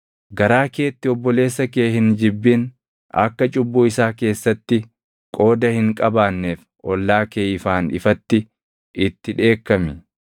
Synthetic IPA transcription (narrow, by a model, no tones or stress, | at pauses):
ɡɐɾaːke̞ːt̪ːɪɔbːɔle̞ːsːɐkeːhɪnd͡ʒɪbːɪn | ɐ̰kːɐt͡ʃʼʊbːuːɪsaːke̞ːsːɐt̪ːɪ | kʼo̞ːd̪ɐhɪŋkʼɐbaːnːeːf | ʔɔlːaːkeːɪfaːnɪ̰fɐt̪ːɪ | ʔɪt̪ːɪᶑe̞ːkːɐmɪ